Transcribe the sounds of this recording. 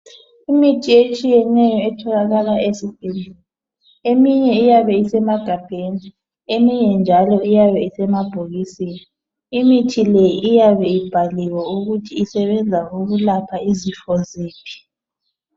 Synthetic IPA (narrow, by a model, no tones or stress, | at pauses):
imitʰiet͡ʃʼijɛnɛjɔɛtʰɔlaɣalaesipʼinu | emiɲɛijaβɛisɛmaɡ̥ʱab̥ʱeni | emiɲɛnd͡ʒʱalɔijaβɛisɛmab̥ʱoɣisini | imitʰilɛjiʔːjaβɛib̥ʱaliwauɣutʰiːsɛβɛnd͡zʱauɣulapʰaizifɔzeːpʰi̥